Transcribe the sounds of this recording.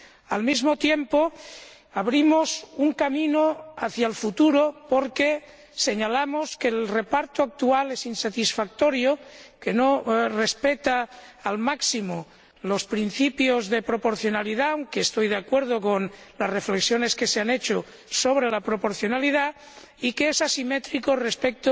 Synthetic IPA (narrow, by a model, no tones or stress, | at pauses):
almizmot̪jempo | aβɾimosuŋkamĩnoaθjaelfut̪uɾopoɾke | se̞ɲalamoskelrepaɾt̪oak̚t̪ualesinsat̪isfak̚t̪oɾjoke̞norespet̪aːlmaksimo | lospɾinθipjozðe̞pɾo̞poɾθjonaliðawŋkeːst̪ojðeakweɾð̞okonlasrefleksjo̞ne̞ske̞seanet͡ʃo | soβ̞ɾe̞lapɾopo̞ɾθjonaliða | ikeesasimet̪ɾikorespek̚t̪o